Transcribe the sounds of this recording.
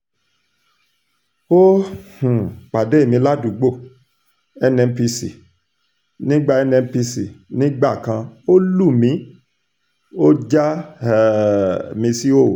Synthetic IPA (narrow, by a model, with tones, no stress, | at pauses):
o˦hũ˨k͡pa˨de˨˦˨mĩ˧la˦du˨ɡ͡bo˦˨ | ɛ˧nɛ̃˧m˦pi˧sḭ˨ | nĩ˦ɡ͡ba˦ɛ˧nɛ˧m̩˦pi˧si˨nĩ˦ɡ͡ba˦˨kã˧o˦lu˦˨mĩ˨˦ | o˦d͡ʒa˦˨ | mĩ˧si˦o˦˨